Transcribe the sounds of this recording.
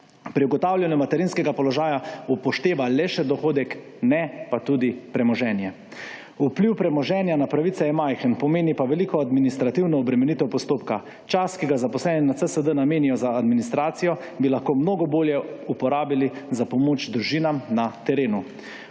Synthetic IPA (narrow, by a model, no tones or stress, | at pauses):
pɾiuɡɔt̪aːwljanɛmat̪ɛɾinskɛɡapɔlɔʒaːjaupɔʃt̪eːʋalɛʃɛd̪ɔxoːd̪ɛk | nɛpat̪uːd̪ipɾɛmɔʒɛːnjɛ | upliwpɾɛmɔʒɛːnjanapɾaʋit̪sɛjɛmajxənpɔmeːnipaʋɛliːkɔad̪minist̪ɾat̪iwnɔːbɾɛmɛnit̪ɛwpɔst̪oːpka | t͡ʃaskiɡazapɔslɛːninat̪əsəd̪ənameːnijɔzaːd̪minist̪ɾaːt̪sijɔ | bilaxkoːmnoːɡɔboːljɛupɔɾaːbilizapɔmoːt͡ʃd̪ɾuʒiːnamnat̪ɛɾeːnu